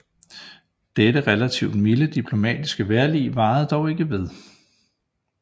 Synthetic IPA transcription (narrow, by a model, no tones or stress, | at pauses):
d̥eɾəʁɛlæt͡sʰiʊd̥miləd̥ipʰlo̝mɛ̰ːd̥isɡ̥əʋeɐlḭːʋɑ̈ːð̩ˠd̥ɒʊe̝ɡ̥əʋe̝ð̞ˠ